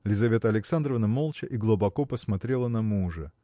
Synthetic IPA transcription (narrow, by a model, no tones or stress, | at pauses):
lʲɪzɐvʲe̞t̪əɐlʲɪksand̪ɾəvnəmolˠt͡ɕəʔiɡlˠubɐkopəsmɐt̪ɾʲelˠənɐmuʐɨ